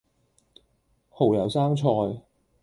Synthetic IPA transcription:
ho˨˩wjɐ˨˩wsaː˥ŋt͡sʰɔː˧j

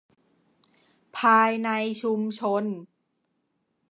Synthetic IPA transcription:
pʰaː˧jna˧jt͡ɕʰu˧mt͡ɕʰo˧n

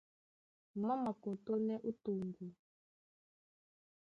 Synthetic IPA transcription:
ma˦ma˨ko˨to˦nɛ˦ʔu˦tu˨ŋɡu˨

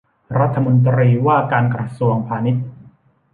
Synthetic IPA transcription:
ɾa˦˥t̪ʰːa˧mo˧nt̪ɾiː˧waː˥˩kaː˧nkɾa˧su˧əŋpʰaː˧ni˦˥t̪̚

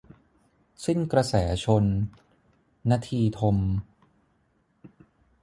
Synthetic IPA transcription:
si˥˩nkɾa˧sɛː˩˦t͡ɕʰo˧n | a˧t̪ʰiː˧t̪ʰo˧m

